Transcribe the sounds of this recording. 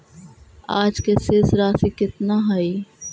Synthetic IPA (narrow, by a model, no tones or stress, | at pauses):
aːd͡ʒkesesɾaːsikɪt̪naɦaiː